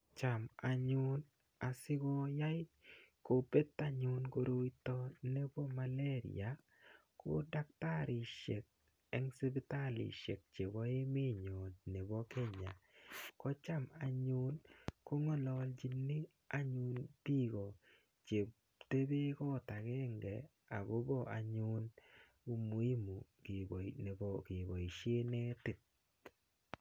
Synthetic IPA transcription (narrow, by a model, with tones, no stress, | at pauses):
t͡ʃa˨ma˨ɲʊ˦n | a˨sɪ˦ɡɔ˦ja˦ɪ˦ko˨be˦tːa˦ɲʊ˨˦nko˨ɾo˦wi˦tɔ˦ne˦bo˦ma˨le˦ɾ̰ja˨ | ko̰˦da˦kta˦ɾi˨ʃḛ˨k̚ | ɛ˦ŋse˦bi˦ta˦lḭ˨ʃḛ˨k̚t͡ʃe˨wɔ˦ɪ˦me˦˨ɲo˨ne˨bɔ˦ke˦ɲa̰˨kɔ˦t͡ʃa˦˨ma˨ɲʊ˦nko˦ŋɔ˦lɔ˦ld͡ʒi˦nːi˦ | a˦ɲʊ˦npi˦ɡɔ˨ | t͡ʃe˨ | te˦be˦kɔ˦˨ta˨kɛ˦ŋɡɛ˨ | a̰˨bo˦bɔ˦˨ʔa̰˨ɲʊ˦n | ku˦mu˨˦i˦mu˨kbne˨bɔ˦kɪ˨bɔ˨i˨ʃe˦ne˦tɪ˨t̚